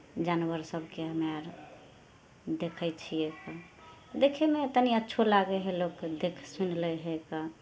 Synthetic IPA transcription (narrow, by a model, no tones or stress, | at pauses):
d͡ʒanwəɾsəbʱkeɦəmaɾ | d̪ekʰət͡ʃʰieka | d̪ekʰemet̪əniətːʃʰolaɡeɦelokd̪ekʰsunleɦeka